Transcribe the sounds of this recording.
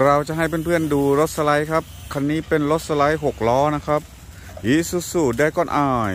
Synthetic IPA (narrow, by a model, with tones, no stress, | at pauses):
ɾa˧wt͡ɕa˨˩ʔɦa˥˩jp̬e˧npʰɯ˥˩ənduː˧ɾo˦˥t̪̚sa˧la˦˥jkʰa˦˥p̚kʰa˧nːiː˦˥pe˧nɾo˦˥t̪̚sa˧la˦˥jɦo˨˩k̚lɔː˦˥na˦˥kʰɾa˦˥p̚ | hiː˨˦˥su˨˧˩tsuː˨˩t̪̚daː˥˩jkɔː˧˥˩nʔaː˧˩j